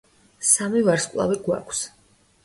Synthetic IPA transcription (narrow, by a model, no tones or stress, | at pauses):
samivaɾskʼlˠa̰viɡwa̰kʷʰs